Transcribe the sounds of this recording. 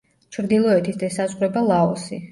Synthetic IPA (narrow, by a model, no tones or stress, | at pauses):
t͡ʃʰɾd̪ilˠɔɛt̪ʰisd̪ɛsazʁɾɛbalˠaɔsi